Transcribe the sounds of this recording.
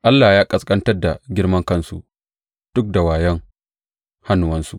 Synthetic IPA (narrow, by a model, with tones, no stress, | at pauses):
ʔa˦lːaː˨jaː˦kʼɐ˨skʼɐ˦ntɐ˦rda˨ɡʲɪ˦ɽmɐ˦ŋkɐ˦nsṵ˨ʔ | d̥ʊ˦k̚da˨waː˨jɐ˦ŋ | ha˦nʊ˨wɐ˦nsu˦ʔ